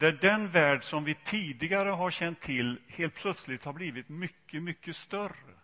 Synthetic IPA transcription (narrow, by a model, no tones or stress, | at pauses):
d̪æɖɛnvæːɖʂɔmvɪt̪ʰiːd̪ɪɡaɾəɦaɾɕɛnt̪ʰːɪlheːlt̪̚pʰlœt̪slɪt̪haɾbliːvɪt̪mʏkːəmʏkːəst̪œrə